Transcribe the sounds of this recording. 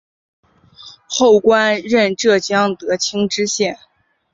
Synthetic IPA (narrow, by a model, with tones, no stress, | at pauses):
xo˥˩ʊkwa˥nɻə˥˧nʈ͡ʂɤ˥˩t͡ɕjɑ˥ŋt̪ɤ˧˥t͡ɕʰi˥ŋʈ͡ʂɻ̩˥ɕjɛ˥˩n